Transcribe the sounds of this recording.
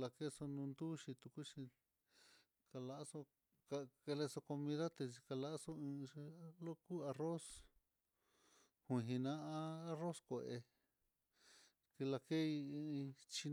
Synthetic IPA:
la˧ke˦so˧nũ˧nd̪u˦ʃi˧t̪u˧ku˦ʃi˧ | ka˧la˧ʔso˧ | ka˧ke˧le˧so˧ko˧mĩ˧ða˦t̪e˧s̬i˧ka˧la˦ʔso˦ɨ̃˧lo˦ku˦a˧ro˦s | hũ˧ɦĩ˧nã˦ã˦a˦ro˦skʷe˨˧ʔe˧ | ki˧la˧ke˦ĩ˧t͡ʃi˧n

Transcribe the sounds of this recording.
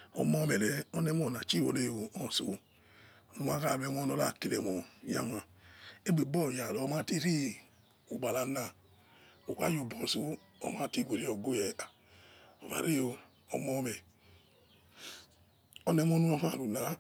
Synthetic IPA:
ɔ̰˨mɔ˧mɛ˨lɛ˨˦ɔ˦nɛ˧˦m˦ɔ˦˨na˨t͡ʃi˦˨wo̰˨ne˧˨o˨ɔ˦˨sṵ˨˦˨ | nu˧ma˦ka˦˨lɛ˧˦mɔ˧˦nɔ˧la˦˨ki˨lɛ̰˨mɔ˨ja̰˦˨ma˨e˦ɡ͡be˨bɔ˦˨ja˨lɔ˨˧˦ma˦ti˦ɾi˦ | u˨ɡ͡ba˨la˧na˨ | o˨ka̰˦jo˨bɔ˨su˦ | ɔ̰˧˨ma˨˦ti˦ɡʷe˨ɾi˦ɔ˨ɡo˦jɛ˨a˨ | o˨va̰˨ɾe˦jo˧ | ɔ̰˧mɔ˧mɛ˨ | ɔ˦nɛ˧mɔ˧˦nu˦ɔ˧ha˦˨ɾu˨na˨˦

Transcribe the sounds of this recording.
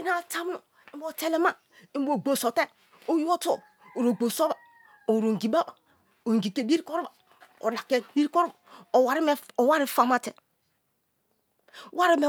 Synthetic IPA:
i˦na˦˨ta˦m˦no˨ | i˦m˦bo˨te˦le˦ma˦ | i˦m˦bo˨ɡ͡bo˨so˨te˦ | o˦jo˦t | o˨ɾo˨ɡ͡bo˨so˦ba˨ | o˨ɾo˨ŋ˨ɡi˨ba˦ba˨ | o˨ŋ˨ɡi˨ke˨bi˦ɾi˦ko˦ɾba˨ | o̰˨la˨ke˨bi˦ɾi˦ko˦ɾo˦˨o˨wa˨ɾi˦me˦o˨wa˦ɾi˦fa˨ma˦te˨ | wa˦ɾi˦me˨

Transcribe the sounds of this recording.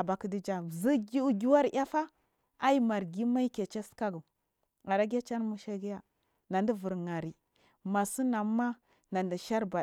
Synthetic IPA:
a˨ba˨kə˦di˦d͡ʒa˨zi˦ɡi˦u˦ɡi˦wa˦ɾja˦fa˦ | a˦i˦ma˨ɾɡi˦ma˦i˦ke˨t͡ʃe˦ska˦ɡu˨ | a˨ɾa˦ɡʲa˦t͡ʃa˦n˦mu˦ʃa˦ɡi˦ja˦ | na˨ndi˦vu˨ɾŋa˨ɾi˨ | ma˨su˦na˨mːa˦ | na˨ndi˨ʃa˦ɾba˨

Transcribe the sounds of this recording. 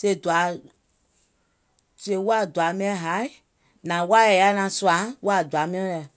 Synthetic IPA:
se˧i˦˨du˨a˨˦ | se˧˦˨wa˦˨du˨a˨˦mĩ˦ɛ̃˦ɦa˨˦i˦ | nã˨wa˦jɛ˨ja˧˦nã˨su˧˦ã˨˦wa˦˨du˨a˨˦mĩ˦ɛ̃˦lɛ˨

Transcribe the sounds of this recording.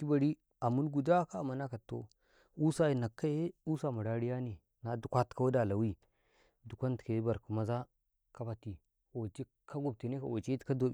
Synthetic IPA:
ki˦ba˨ɾi˦ | a˨mu˦nɡu˨da˦ka˦˨ma˨na˦ka˨tːo̰˦ | u˦sa˦i˨na˨kːa˦je˦u˦sa˦˨ma˨ɾa˦ɾi˦ja˦ni˨ | na˨du˨kʷa˦tka˦wa˦da˨la˨wi˦ | du˨kʷa˦nte˨˦ba˨ɾku˨ma˨za˦ | ka˦ba˨ti˨ | o˨t͡ʃi˦ | ka˦ɡu˨b̚te˨ne˦ka˨o˨t͡ʃe˦tka˦do˨

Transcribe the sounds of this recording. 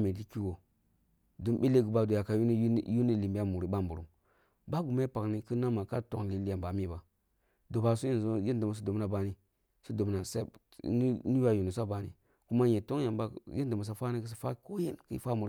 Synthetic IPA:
me˨li˦ki˦wo˨ | du˨mɓe˦le˦ɡu˨ba˦do˨ja˨ka˨jju˦ni˦˨li˨mba˦mu˨ɾi˨ba˦mbu˨ɾu˨ | ba˦ɡu˨ma˦pa˨kni˨kə˦na˦ma˨ka˦to̰˦ŋli˨li˦ja˨mba˨mi˦ba˨ | do˨ba˨su˦je˦n˨zo˦je˦n˦du˨mu˨s̬do˨bna˨ba˨ni˦ | su˦do˨bna˨sa˦i˦ | n˦ni˦ja˦˨ju˨ni˨s̬a˦ba˨nḭ˨ | ku˦ma˦je˨to˦ŋja˨mba˦je˦n˦du˨mu˨s̬a˨fa˦ni˦kə˦si˨fa˦ko˦je˦nkḭ˦fa˦mu˨ɾ

